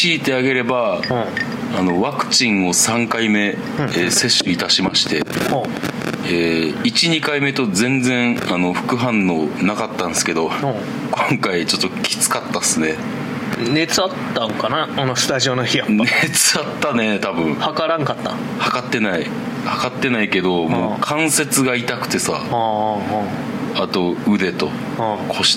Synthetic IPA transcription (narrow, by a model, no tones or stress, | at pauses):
iːt̪e̞aɡe̞ɾe̞bã | ano̞βakɯ̟̥t͡ɕĩɰ̃o̞sãŋkaimẽ̞ː | se̞ɕːɯit̪aɕimaɕi̥t̪e̞ho | eːit͡ɕiɲ̟ikaime̞t̪o̞d͡zẽ̞nd͡zẽ̞ɰ̃ano̞ɸɯ̟̥kɯ̟ɦãnːo̞nakat̪ːãnsɨ̥ke̞d̪o̞ | kõ̞ŋkait͡ɕo̞t̪ːo̞kʲʰi̥t͡sɨ̥kat̪ːasɨne̞ | ne̞t͡sɨat̪ːãŋkanaːnosɨ̥t̪aʑio̞noçiannet͡sɨat̪ːane̞t̪abɯ̟̃ŋ̃hakaɾãŋkat̪ːa̰ | hakat̪ːe̞nai | hakat̪ːe̞naike̞d̪o̞moːkʰãɰ̃se̞t͡sɨɡait̪akɯ̟̥t̪e̞sa̰ | at̪o̞ɯ̟d̪e̞t̪o̞ | kʰo̞ɕi̥